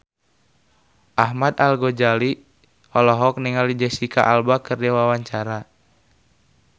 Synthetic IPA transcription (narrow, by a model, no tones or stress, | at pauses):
ʔaɦmad̪alɡɔd͡ʒali | ɔlɔɦɔk̚niŋalid͡ʒɛsika̰ʔalbakɨrdɛwawaɲt͡ʃaɾa